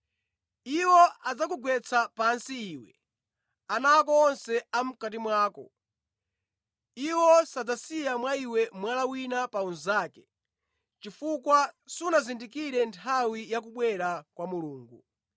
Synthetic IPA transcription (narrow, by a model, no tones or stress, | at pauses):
iwɔad͡zakuɡwɛt͡sʰapansiːwɛ̰ | anaːk̬ɔːnsɛam̩kat̬imwaːkɔ̰ | iwɔsad͡zasijamwaiwɛmwalawinapaunzaːkɛ | t͡ʃifukwasiunazindikiɾɛntʰawijak̬uɓwɛɾakwamuluːŋɡu